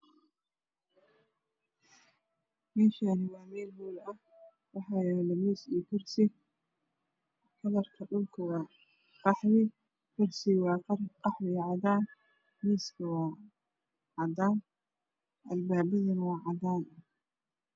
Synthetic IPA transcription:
mɛːʃaːnɪwɑːmɛːlhuːlɐh | wɑħɑːjɛlɛmiːsikʰʊrsɪ | kʰɐðɐrkʰɐɖʊlkʰɐwɑː | qɑħwɪ | kʰʊrsɪwɑːqɑrqɑħwɪʕɑd̪aːn | miːskʰɐwɑː | ʕɑd̪aːn | ʔɐlbaːbɪðɐnɐwɑːʕɑd̪aːn

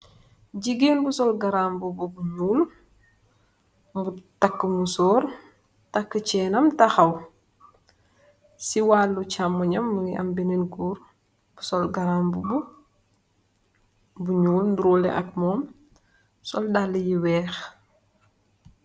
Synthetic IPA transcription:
ɟiɡiːnbusɔlɡɐɾaːmbububuɲuːl | mbutɐkːəmusɔːɾ | tɐkːət͡ʃɛːnɐmtɐxɐw | siwaːlːut͡ʃamːuɲɐmːuŋiʔɐ̰mbinenɡuːɾ | b̥usɔlɡɐɾaːmbubu | buɲuːlnduɾulɛ̰ʔɐk̚mɔːm | sɔldalːəjiwɛːx

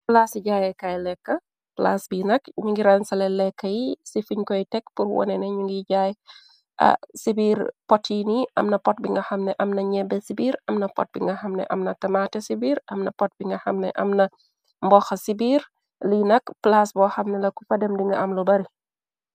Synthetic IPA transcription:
plaːsiɟajɛkajlɛkːɐ | plaːsbinɐkɲuŋɡiɾɐnsɐlɛlɛkːɐjisifiɲkɔjtɛkpuɾwɔ̰nɛnɐɲuŋɡiɟaːj | ʔɐ̰sibiːɾpɔtːiniʔɐ̰mnɐpɔt̚biŋɡɐxɐmnɛʔɐmnɐɲɛbɛsibiːɾɐmnɐpɔ̰t̚bḭŋɡɐxɐmnɛ̰ʔɐmnɐtɐmaːtɛsibiːɾʔɐmnɐpɔt̚biŋɡɐxɐmnɛ̰ʔɐ̰mnɐ | mbɔxɐsibiːr | linɐkplaːsbɔːxɐmnɛlɐkufɐdɛmdiŋɡɐʔɐmlubɐɾi

